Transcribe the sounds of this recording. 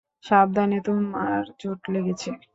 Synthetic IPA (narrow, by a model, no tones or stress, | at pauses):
ʃab̚d̪anet̪omaɾd͡ʑoʈleɡet͡ɕʰe